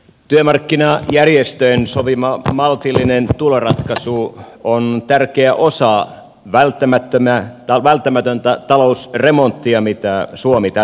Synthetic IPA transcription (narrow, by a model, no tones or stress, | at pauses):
t̪yømɑrkːinɑjærjest̪øjensoʋimɑmɑlt̪ilːinent̪ulorɑt̪kɑsuont̪ærkeæʔosɑ | ʋælt̪ːæmæt̪ːømæt̪ɑʋælt̪ːæmæt̪ønt̪æt̪ɑlousremo̞nt̪ːiɑmit̪æsuomit̪ɑ